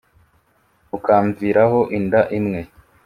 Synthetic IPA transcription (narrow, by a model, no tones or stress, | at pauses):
ukaːɱviːɾaɦo̞ʔindaʔimŋe̞